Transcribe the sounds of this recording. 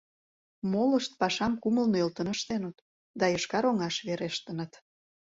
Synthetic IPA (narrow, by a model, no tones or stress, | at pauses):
moləʃt̪̚pɑʃɑmkuməlnølt̪ə̆nəʃt̪enut̪ | d̪ɑjəʃkɑɾoŋɑʃβeɾeʃt̪ə̆nət̪